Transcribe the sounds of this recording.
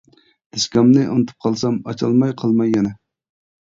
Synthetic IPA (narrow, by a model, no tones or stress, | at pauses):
d̪̥eskʲɑmnɨʔonɨt̪ʰɨ̥p̚qʰɑlˠsɑmɑ̰t͡ʃʰɑlˠmɑjqʰɑlˠmɑjːɛnɛ